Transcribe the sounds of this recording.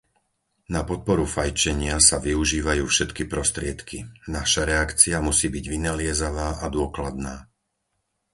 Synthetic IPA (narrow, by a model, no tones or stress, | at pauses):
napɔt̪̚pɔɾufajt͡ʃɛɲɪasaʋiuʒiːʋajuːfʃɛt̪kipɾɔst̪ɾɪɛt̪kʰinaʃaɾɛakt͡siamusiːbiɟʋinalɪɛzaʋaːʔad̪ʊɔklad̪naː